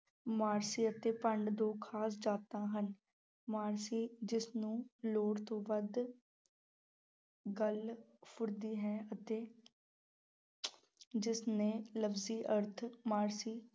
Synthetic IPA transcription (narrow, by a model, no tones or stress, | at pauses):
maːɾsiːət̪eːpəɳɖd̪oːkʰaːs̬d͡ʒaːt̪ãːɦən | maːɾsiːd͡ʒɪsnũːloːɽt̪õːʋəd̪ | ɡəlpʰʊɾd̪iːɦɛːət̪eː | d͡ʒɪsneːləbziːʔəɾt̪ʰmaːɾsiː